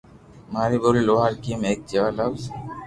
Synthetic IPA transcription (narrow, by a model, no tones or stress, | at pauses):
maɾiboliloɦaɾkimek̚d͡ʒewalaw